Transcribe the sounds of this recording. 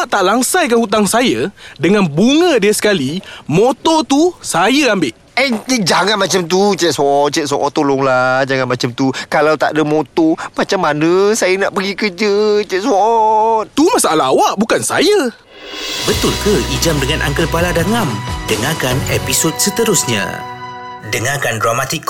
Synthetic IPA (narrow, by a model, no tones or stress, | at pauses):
aʔt̪aʔlaŋsajkahut̪̬aŋsajədəŋanbuŋə̃diəsə̥kalimõt̪ɔt̪usajəambɪʔ | ənd͡ʒaŋanmat͡ʃamt̪ut͡ʃɛʔ̚sɔʔ̚t͡ʃɛʔsɔʔɔʔt̪olʊŋlad͡ʒaŋanmat͡ʃamt̪ukalawt̪a̰ʔdəmot̪ɔmat͡ʃamːanə̃sajanaʔpəɡikəd͡ʒət͡ʃɛʔswɔʔ̪̚t̪umasaʔalaawaʔbukansajə | bət̪ʊlkəid͡ʒamdəŋanʔa̰ŋkəlpaladaŋamdəŋakanepisod̚sət̪əɾʊsɲã̰ | dəŋakandɾamat̪ik